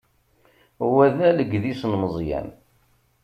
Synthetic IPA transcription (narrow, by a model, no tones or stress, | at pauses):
wæðæləɡðisnməzˤjæ̰n